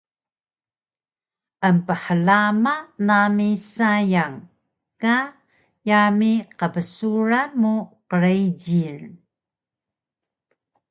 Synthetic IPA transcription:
ʔəmpəħəlamanamisajaŋ | ka | jamiqəpəsuɾamuqəɾejɟir

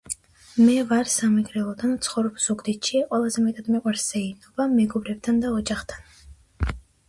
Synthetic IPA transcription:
mɛvaɾsamɛɡɾɛlˠɔd̪ant̪sʰχɔvɾɔbz̥uɡd̪it̪ʃiqʼwɛlˠazɛmɛt̪ʼad̪mɛqʼwaɾsz̥ɛinɔbamɛɡɔbɾɛb̚t̪ʰand̪aɔd͡ʒaχt̪ʰan

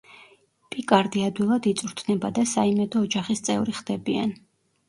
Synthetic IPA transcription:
pʼikʼaɾd̪iad̪wilˠad̪it̪sʼuɾt̪ʰnɛbad̪asaimɛd̪ɔːd͡ʒaχist̪sʼɛ̰vɾiχd̪̥ɛbia̰n

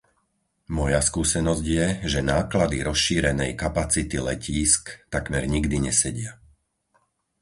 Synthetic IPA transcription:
mɔjaskuːsɛnɔzɟjɛʒɛnaːklad̪iɾɔsʃiːɾɛnɛjkapat͡sit̪ilɛciːskt̪akmɛɾɲiɡd̪iɲɛsɛɟɪa

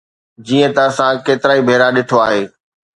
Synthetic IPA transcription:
d͡ʑiːə̃t̪ɐəsãkeːt̪ɪɾaːibʱeːɾaɗɪʈʰoaːɦeː

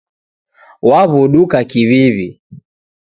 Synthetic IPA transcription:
waβuɗukakiβiβi

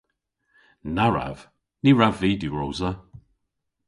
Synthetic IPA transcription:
naɹa̰v̥ | niɹaviːduɹowzə

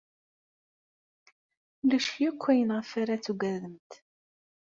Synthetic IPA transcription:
læʃjukʷʰːæjənʁəfaɾat͡sːuɡæðəmt̪

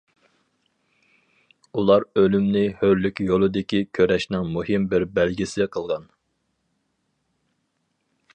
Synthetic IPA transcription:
ulˠɑɾølymnɪhøɾlykʲjolˠɨd̪ɪkʲʰikʲʰøɾɛʃnɪŋmuɦimbɪɾbælɡʲisɪqʰəlˠʁɑn

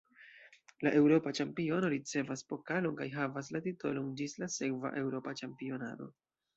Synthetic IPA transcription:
laʔe̞wɾo̞pat͡ʃampio̞no̞ɾit͡se̞vaspo̞kalo̞nkajɦavas̬latito̞lo̞nd͡ʒislase̞kva̰ʔe̞wɾo̞pat͡ʃampio̞na̰do̞̰

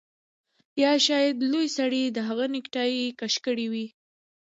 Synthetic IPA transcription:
jɑʃɑjad̪lojsaɽid̪əɦaɣanɪkʈɑjikaʃkəɽiwi

